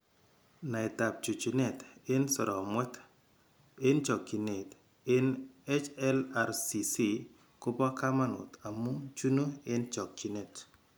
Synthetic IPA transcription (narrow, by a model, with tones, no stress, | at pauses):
na˨ɪ˨ta˨p̚t͡ʃu˨t͡ʃi˨nɛ˨tɪ˦nsɔ˨ɾɔ˨mwɛ˦t | ɪ˦nt͡ʃɔ˨kːi˨ne˨t | ɪ˦ne˦t͡ʃɛ˦la˨ɾsi˨si˦˨ | ko˦pɔ˦ka˦ma˦nʊ̰˨t̪a˨mu˦t͡ʃu˦no˦ɪ˦nt͡ʃɔ˨k̚ːt͡ʃi˨ne˨t